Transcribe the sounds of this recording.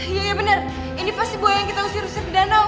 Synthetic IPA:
jajabənər | inipast̪ibuatjaŋkit̪ausiɾusəkdana

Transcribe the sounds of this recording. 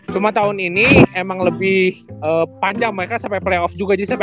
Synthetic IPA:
t͡ʃumat̪aɦʊniniemaŋləbɪhʔəːpaɲd͡ʒaŋmaɾekasampajpleɔfd͡ʒuɡad͡ʒadisamp

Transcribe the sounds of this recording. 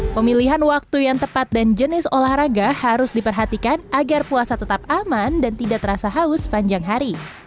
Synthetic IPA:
pəmiliɦanwak̚t̪ujaŋt̪əpat̪̚dand͡ʒənɪsolahɾaɡahaɾʊsdipərɦat̪ikanʔaɡarpuasat̪ət̪ap̚amandant̪idaʔ̚t̪əɾasaɦaʊsə̥paɲd͡ʒaŋɦaɾi

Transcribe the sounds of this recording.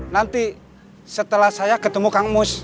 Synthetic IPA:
nant̪i | sət̪əlahsajakət̪əmukaŋmʊs

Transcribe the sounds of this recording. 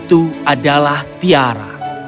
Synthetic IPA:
t̪uadalaht̪iaɾa̰

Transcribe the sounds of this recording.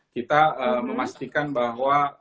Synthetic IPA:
kit̪aəməmast̪ikanbaɦwa

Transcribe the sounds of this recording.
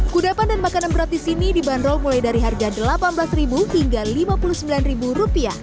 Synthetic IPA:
kudapandanmakananpəɾat̪isinidibanɾɔlmulajdaɾiɦarɡadəlapanbəlasribuhiŋɡalimapuluhsəmbilanribuɾupia

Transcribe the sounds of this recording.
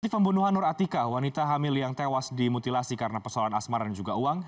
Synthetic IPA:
ipəmbunuɦanːʊɾat̪ikawanit̪aɦamɪljaŋt̪ewasdimut̪ilasikaɾənapəsaalanasmardand͡ʒuɡauaŋ

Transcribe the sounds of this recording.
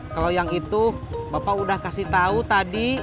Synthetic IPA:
kalojaŋit̪ubapaudahkasiht̪aut̪adi

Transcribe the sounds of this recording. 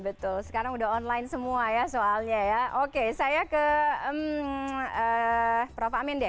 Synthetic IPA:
bət̪ʊlsə̥kaɾaŋudaɦɔnlaɪnsəmuajasoalɲajaʔokesajakəəm | əpɾofaamndɛ

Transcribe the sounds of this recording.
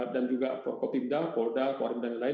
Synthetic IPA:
at̚dand͡ʒuɡafɔrkɔt̪indakɔldakaɾɛmdaŋalaɪ

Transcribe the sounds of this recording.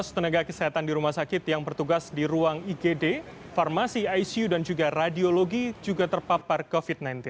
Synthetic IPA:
st̪ənaɡakəsəat̪andiɾumahsakɪt̪jaŋpərt̪uɡasdiɾuaŋiɡede | farmasiajsiudand͡ʒuɡaradioloɡid͡ʒuɡat̪ərpaparkofit̚najnt̪ɪn

